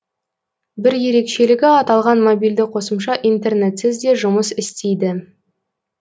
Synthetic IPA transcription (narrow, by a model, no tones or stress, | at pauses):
bɪɾje̞ɾe̞kʃe̞lɪɡʲɪɑt̪ɑlˠʁɑnmobijld̪ɪqʰo̞səmʃɑʔijnt̪e̞rne̞t̪sɪzd̪e̞ʒʊməsɪst̪ejd̪ɪ